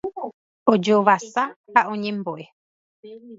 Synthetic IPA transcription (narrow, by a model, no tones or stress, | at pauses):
od͡ʒoʋasahaʔõ̞ɲẽmboʔe